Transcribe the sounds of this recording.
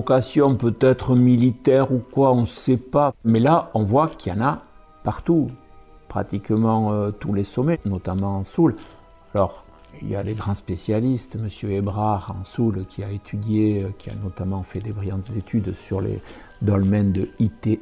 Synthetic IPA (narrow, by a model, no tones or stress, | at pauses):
kasjɔ̃pøt̪ɛt̪χəmilit̪ɛʁukwaɔ̃sɛpamɛlaɔ̃vwakiɑ̰̃na | paʁt̪u | pχa̰t̪ikmɑ̃øt̪ulesɔmɛnɔt̪amɑ̃ɑ̃sul | alɔʁ | ḭlja̰leɡʁɑ̃spesjalist̪məsjøebʁaʁɑ̰̃sulkʲiaet̪ʰyd̪jeøkʲʰia̰nɔt̪amɑ̃fɛd̪ebʁijɑ̃t̪əzet̪ʰyd̪syʁlḛ | d̪ɔlmɛnd̪əit̪e